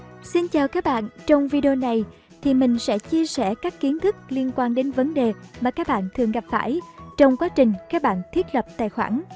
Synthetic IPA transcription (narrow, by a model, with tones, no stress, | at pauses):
si˧nt͡ɕaː˨˩wkaː˦˥k̚ɓa̰ː˧˨nt͡ɕɔ˧wŋ͡mvi˧ɗi˧o˧na˨˩j | t̪ʰi˨˩mï˨˩ŋ̟sɛ̰˧˥t͡ɕi˧əsɛ˧˩kaː˦˥kːi˨˦ənt̪ʰɨ˦˥k̚li˧ənkwaː˧nɗe˨˦nvə˨˦nɗe˨˩maː˨˩kaː˦˥k̚ɓa̰ː˧˨nt̪ʰɨ˨˩əŋɣa˨˩p̚fa̰ː˧˩jt͡ɕɔ˧wŋ͡mkwaː˨˦t͡ɕï˨˩ŋ̟kaː˦˥k̚ɓa̰ː˧˨nt̪ʰwi˦˥t̚lə˨˩p̚t̪a̰ː˧˨jxwa̰ː˧˩n